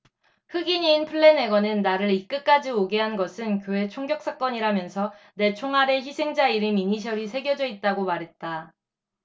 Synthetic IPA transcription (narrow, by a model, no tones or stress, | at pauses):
hɯɡiɲiːnpʰɯɭːe̞ne̞ɡwʌnɯnːaɾɯɾik͈ɯk͈ad͡ʑioɡe̞ɦanɡʌsʰɯnkjoe̞t͡ɕʰoŋɡjʌk̚s͈ak͈ʌɲiɾamjʌnsʰʌ | ne̞t͡ɕʰoŋɦaɾe̞çisʰe̞ŋd͡ʑaiɾimiɲiɕ̬ʰʌɾisʰe̞ɡjʌd͡ʑʌit̚t͈aɡomaɾɦe̞t̚t͈a